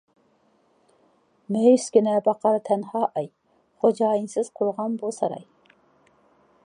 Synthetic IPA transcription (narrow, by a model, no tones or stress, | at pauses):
mɛjyskʲinɛbɑqʰɑɾt̪ʰɛnhɑːʔɑj | χod͡ʒɑːjinsɪz̥qʰʊɾʁɑnbosɑ̰ɾɑ̰j